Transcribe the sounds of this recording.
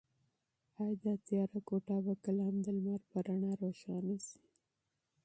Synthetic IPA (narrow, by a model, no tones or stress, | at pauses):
ɑjd̪at̪jɑɾakoʈɑbakaland̪əlmaɾpaɾaɳaɾoʃɑnasi̥